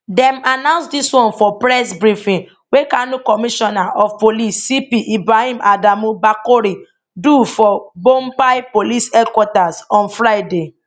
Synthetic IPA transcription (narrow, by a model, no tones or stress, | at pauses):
dɛ̃manãʊ̃nsdiswɔ̃nfɔpɾɛsbɾifĩ | wekanũkɔmĩʃɔnaʔɔfpolisːipiʔibɾahĩmadamũbakoɾi | dufɔbompajpolisɛdkwɔtasɔ̃nfɾajde